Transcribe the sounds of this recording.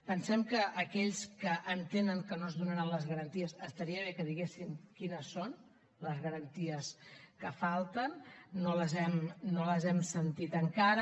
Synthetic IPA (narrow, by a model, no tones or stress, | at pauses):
pənsɛmkəʔːkɛʎskəʔːnt̪enəŋkənoəzðunəɾanləzɣəɾənt̪iəsəst̪əɾiəβ̞ekəðiɣesiŋkinəsːon | ləzɣəɾənt̪iəskəfalˠt̪ənːoləzɛmnoləzɛmsənt̪it̪əŋkaɾə